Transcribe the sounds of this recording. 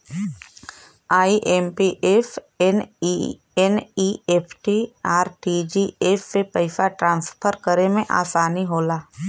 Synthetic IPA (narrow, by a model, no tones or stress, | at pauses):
aːiʔempiʔef | en | enieːpʰʈiaːɾʈid͡ʒiefːepəɪsaʈɾãːnspʰəɾkəɾemẽʔa̰ːsaːniɦoːlaː